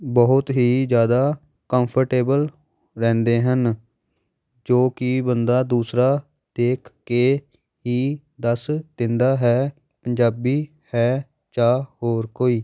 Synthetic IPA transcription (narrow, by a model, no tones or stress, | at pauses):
bəɦʊt̪ɦiːzjaːd̪aː | kə̃mpʰəɾʈeːbəl | ɾɛ̃ːnd̪eːɦən | d͡ʒoːkɪbənd̪aːd̪uːsɾaː | d̪̥eːkʰkeː | ɦiː | d̪əsd̪ɪnd̪aːɦɛː | pəɲd͡ʒaːbiː | hɛː | t͡ʃaːhoːɾkoːiː